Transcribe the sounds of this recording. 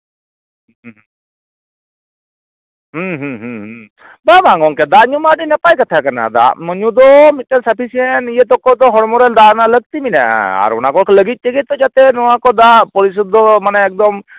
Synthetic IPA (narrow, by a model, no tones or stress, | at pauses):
ɦɦɦɦ | babaŋɡɔŋkɛd̪aɲumaɖinɛpajkat̪ʰakana̰d̪a̰ʔməɲud̪ɔmit̪̚ːɛsapʰisiɛnijət̪ɔkɔd̪ɔɦɔɾmɔɾald̪analəɡ̚t̪imina̰ʔa̰a̰ɾɔ̰nakɔkʰɛləɡit̪̚t̪əɡɛt̪ɔd͡ʒat̪ɛnɔwakɔd̪apɔɾis̬ut̪̚ːɔmanɛɛk̚d̪ɔm